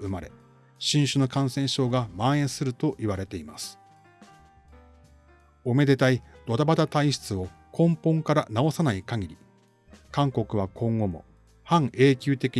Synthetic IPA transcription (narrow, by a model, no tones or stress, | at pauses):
ɯ̟maɾe̞̰ | ɕĩɰ̃ɕɨno̞kãɰ̃sẽ̞ɰ̃ɕo̞ːɡamãẽ̞ɰ̃sɨɾɯ̟t̪o̞ʔiβaɾe̞t̪e̞ima̰sɨ̥ | o̞me̞d̪e̞t̪aid̪̥ot̪abat̪at̪aiɕi̥t͡sɨo̞ | kʰõ̞mpõ̞ŋkaɾanao̞sanaikaɡʲiɾʲi | kãŋko̞kɯ̟βakʰõ̞ŋɡo̞mo̞̰ | hãŋe̞ːkʲɨːt̪e̞kʲi